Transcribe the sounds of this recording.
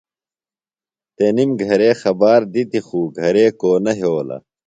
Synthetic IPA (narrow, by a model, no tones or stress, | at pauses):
t̪enimɡʱɐɾeːxɐbaːɾd̪it̪ixuːɡʱɐɾeːkoːnɐɦoːlɐ̰